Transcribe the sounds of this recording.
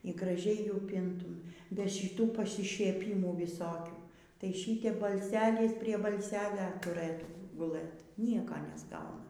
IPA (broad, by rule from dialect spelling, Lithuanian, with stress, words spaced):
iː ɡrɐˈʒʲɛɪ ˈjuː ˈpʲɪntʊm bʲɛ ʃʲɪˈtuː pɐsʲɪʃʲiɛˈpʲiːmuː ʋʲɪˈsoːkʲuː tɐɪ ˈʃʲiːtʲɛp bɐlʲˈsʲæːlʲɪs pʲrʲiɛ bɐlʲˈsʲæːlʲɛ tʊˈrɘtuː ɡʊˈlˠɘt ˈnʲiɛkoː nʲɛzˈɡɐʊnɐ